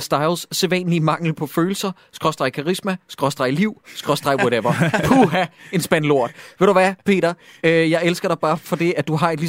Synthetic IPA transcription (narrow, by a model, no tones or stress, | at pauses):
sd̥ɑ̈ɪlsseʋɛ̰ːnlimɑ̈ŋ̰ləpʰɒ̽føːl̩sɐ | sɡ̥ʁɒ̽sd̥ʁɑ̈ɪkʰɑ̈ʁismæsɡ̥ʁɒ̽sd̥ʁɑ̈ɪliʊ̰sɡ̥ʁɒ̽sd̥ʁɑ̈ɪwɒɾeʋɐkʰuɦæe̝nsb̥ænlo̝ɐ̰d̥ˠʋe̝ɾ̥uʋæpʰe̝̰ːɾɐ | øjɑ̈ɪelsɡ̥ɐɾ̥ɑ̈ɪb̥ɑ̈ːfɒ̽d̥e̝æd̥uɦɑ̈e̝d̥li